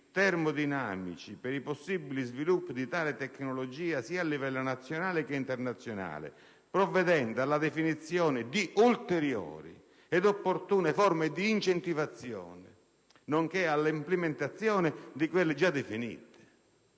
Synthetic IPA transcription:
t̪ɛrmʊd̪ina̰ːmḭt͡ʃipɛɾiposːibːilizvilupːid̪it̪aːlɪt̪ɛkːnɔlod͡ʒiːasiːaːlːivɛlːʊnat̪sːjonaːlɪkɪint̪ɛɾnat̪sːjona̰ːlɪ̰ | pɾɔvːɛd̪ɛnd̪alad̪ɛfinit̪sːjɔːnɪd̪iʔult̪eɾjɔ̰ːɾḭ | ɛd̪opːort̪uːnɪfɔrmɪd̪iːnt͡ʃɛnt̪ivat̪sːjɔ̰ːnɪ̰ | noŋkealːimplɪmɪnt̪at̪sːjɔːnɪd̪ikwelːɪd͡ʒad̪efinḭːt̪ɪ̥

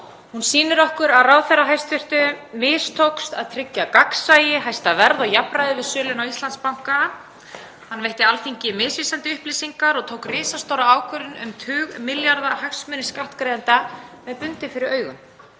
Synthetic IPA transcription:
hunsiːnʏɾɔhkʏɾaðraːwθɛraɦajst̪vɪr̥t̪ʏmɪːst̪ʰowkst̪aðt̪ʰɾɪcːakaksaːjɪɦajst̪avɛɾðɔɣjapɾaðɪvɪðsœːlʏnawist̪ant̪spawŋ̥ka | hanːvejht̪ɪalθiɲcɪmɪːsviːsant̪ɪʏhpliːsiŋkaɾɔɣt̪ʰowkrɪːsast̪owɾaaːwkʰœɾɪnʏmt̪ʰʏːɣmɪljaɾðahajksmœʏːnɪskawht̪kɾejðant̪amɛðpʏnt̪ɪfɪɾɪɾœːɥɣʏn

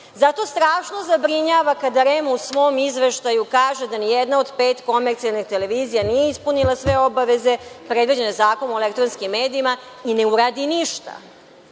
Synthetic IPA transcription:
zat̪o̞st̪ɾaːʃno̞zabɾiɲaːʋakad̪aɾemusʋo̞mizʋe̞ʃt̪ajukaːʒed̪anijɛd̪nao̞d̪pe̞ːt̪ko̞meɾt̪sialnixt̪ele̞ʋiːzijanijeispunilˠasʋe̞o̞baʋe̞ze̞pɾe̞d̪ʋid͡ʑenjezaːko̞nuoelekt̪ɾonskimːeːd̪iimaine̞uɾaːd̪iniʃt̪a̰

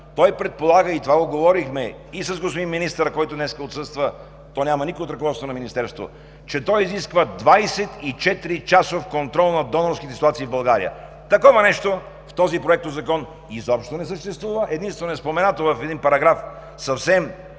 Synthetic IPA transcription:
t̪ɔjpɾɛt̪̚polˠaɡəit̪ovaɡoɡovɔɾixmɛ | isɐzɡospinminist̪əɾəkɔjt̪ʊd̪nɛskəot̪sɤst̪və | t̪ɔnʲamɐnikoot̪ɾɐkovɔt̪t̪vonɐminist̪ɛɾst̪vo̰ | t͡ʃɛt̪ɔjiziskvəd̪vajsɛt̪it͡ʃɛt̪iɾit͡ʃasofkont̪ɾɔlˠnɐd̪ɔnoɾskit̪ɛsit̪uat̪siːvbɐlˠɡaɾḭə̰ | t̪ɐkɔvɐnɛʃt̪o | ft̪ɔzipɾoɛk̚t̪ozɐkɔn | izɔpʃt̪onɛsəʃt̪ɛst̪vuvəʔɛd̪inst̪vɛnoɛspomɛnat̪ovɐfɛd̪inpɐɾɐɡɾaf | sɐfsɛm

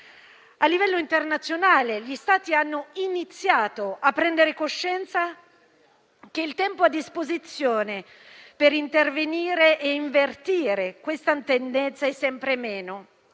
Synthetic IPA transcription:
alːivɛlːoint̪ernat̪sːjonaːleʎist̪aːt̪ianːoinit̪sːjaːt̪oapːɾɛnd̪eɾekoʃːɛnt̪sa | keilt̪ɛmpoad̪ːispozit̪sːjoːne | peɾint̪erveniːɾeʔeiɱvert̪iːɾekwest̪ant̪end̪ɛnt̪saɛsːɛmpɾemeːno

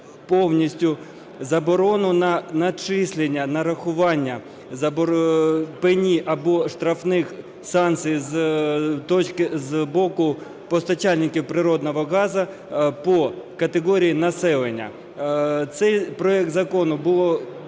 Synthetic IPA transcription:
pɔwnʲisʲtʲʊ | zɐbɔɾɔnʊnɐnɐt͡ʃɪsʲlʲenʲːɐnɐɾɐxʊʋɑnʲːɐ | zɐb | penʲiʔɐbɔʃt̪ɾɐfnɪx | sɑnt̪sʲɨjz | t̪ɔt͡ʃkɪzbɔkʊ | pɔst̪ɐt͡ʃɑlʲnʲɪkʲiwpɾɪɾɔd̪nɔɦɔɣɑzɐ | pɔkɐt̪eɣɔɾʲijinɐsɛlˠenʲːɐ̰ | t̪sɛjpɾɔɛk̚t̪zɐkɔnʊbʊlˠɔ

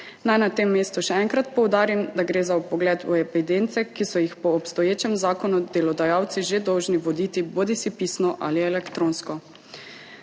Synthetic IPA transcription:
najnat̪emːeːst̪uʃɛɛŋkɾat̪̚pɔwd̪aːɾimd̪aɡɾeːzaupɔɡlɛːt̪uepid̪ent̪sɛkisɔjixpɔːpst̪ɔjeːt͡ʃɛmzaːkɔnɔd̪elɔd̪ajaːwt̪siʒed̪ɔwʒniʋɔd̪it̪iboːd̪isipiːsnɔʔa̰liɛlɛkt̪ɾõnskɔ

